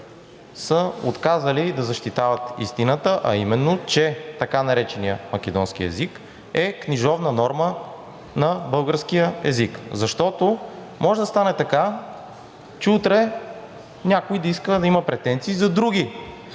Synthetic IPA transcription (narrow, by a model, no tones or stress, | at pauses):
səo̰t̪kazəlid̪ɐzɐʃt̪it̪avɐt̪ḭst̪inət̪əʔɐ̰imɛnːot͡ʃɛt̪ɐkanɐɾɛt͡ʃɛnijəmɐk̟ʲɛd̪ɔnskiɛ̰zik | ɛkniʒɔvnənɔɾmə | nɐbɤlˠɡəɾsk̟ijəɛ̰zikzɐʃt̪ɔt̪o | mɔʒɛd̪ɐst̪anɛt̪ɐka | t͡ʃɛut̪ɾɛ | nʲakoid̪ɐiskəd̪ɐimɐpɾɛt̪ɛnt̪siːzɐd̪ɾuɡi